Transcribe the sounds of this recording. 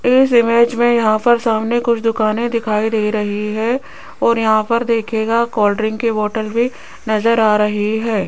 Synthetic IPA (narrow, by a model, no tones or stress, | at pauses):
ɪs̬ɪmeːd͡ʒmẽjɐɦãpɐɾsaːmnekʊt͡ʃʰd̪ʊkaːnẽd̪ɪkʰaːid̪eːiɾɐɦiɦɛ | ɔːɾjɐɦãpɐɾd̪eːkʰeːɡakɔːlɖəɾɪ̃ŋɡkeʋɔːʈəlbʱi | nɐzəɾaːɾɐɦiɦɛː